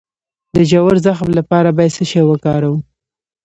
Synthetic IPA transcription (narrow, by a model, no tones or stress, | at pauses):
d̪əd͡ʒawaɾzaxmlapɑɾabɑjad̪səʃewəkɑɾawu